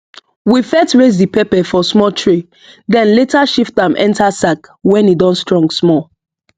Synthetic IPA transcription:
wifɛtɹez̬dipɛpɛfɔsmɔltʰɹi | dɛ̃nletaʃiftãmʔɛ̰̃ntʰasakwɛ̃nidɔ̃nstɹɔ̃ŋɡsmɔ

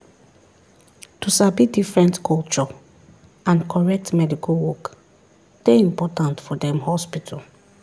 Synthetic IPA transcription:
tusabidifɹɛ̃ntkʰɔlt͡ʃɔ | ãnkʰɔɹɛk̚tmɛdikʰalwɔk | d̥eĩmpɔtãntfɔdɛ̃mhɔspitʰal

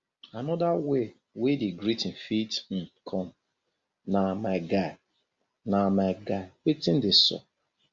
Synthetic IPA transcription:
anɔdawe | wediɡɾitɪn̩fitm̩kʰɔn̩ | namaɪɡaɪ | namaɡaɪwetɪ̃n̩dɪsɔ̰

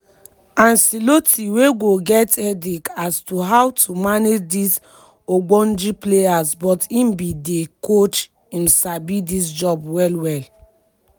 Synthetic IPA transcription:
ãnsilotiweɡoɡɛtɛdikastuɦawtʰumaned͡ʒdis | oɡ͡bɔ̃nd͡ʒiplejasbɔtĩmbidekot͡ʃ | ĩmsabidis̬d͡ʒɔbwɛlwɛl

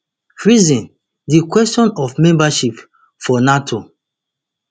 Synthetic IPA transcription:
ɹizĩn | dikwɛstɔ̃nɔfmɛ̃mbaʃip | fɔnatʰo

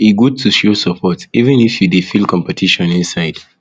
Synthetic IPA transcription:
iɡud̚tʰuʃusapʰɔtivɛ̃nifjudifilkʰɔ̃mpɛtʰiʃɔ̃nĩnsaɪd̥

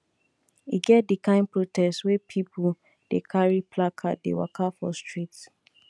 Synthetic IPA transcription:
ḭɡɛt̚dikʰãɪ̃npɹotʰɛstswepʰipʰu | d̥ekʰaɹipʰlakʰat̚dḛwa̰kʰafɔstɹit

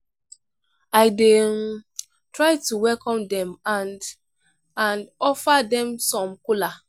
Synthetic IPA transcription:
aɪde | tɹaɪtuwɛlkɔ̃mdɛ̃mãnd | ãnɔfadɛ̃msɔ̃mkula

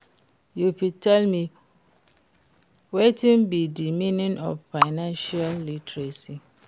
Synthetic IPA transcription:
jupitʰɛlmi | wetĩnbidimĩnĩnɔ̰ffaɪnãnʃialːitʰɹesi

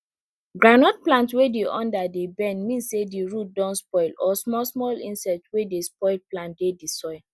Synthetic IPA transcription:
ɡɹanɔt̚plãntwedeʔɔ̃ndadebɛ̃nmĩnssediɹut̚dɔ̃nspɔɪlɔsmɔsmɔlḭ̃nsɛtwedespɔɪlplãnt̚dedisɔɪl

